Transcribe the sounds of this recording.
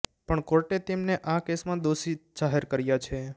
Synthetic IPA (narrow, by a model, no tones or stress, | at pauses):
pəɳkoɾʈet̪emneʔakesmãd̪oʃid͡ʒaɦeɾkəɾjat͡ʃʰe